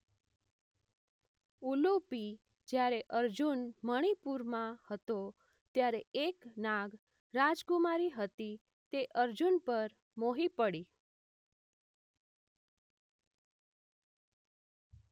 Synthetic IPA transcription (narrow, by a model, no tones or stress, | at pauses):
ulupi | d͡ʒjaɾeʔəɾd͡ʒunməɽ̃ipuɾmãhət̪o | t̪jaɾeeknaɡ | ɾad͡ʒɡumaɾiɦət̪i | t̪eʔəɾd͡ʒunpəɾ | moɦipəɽi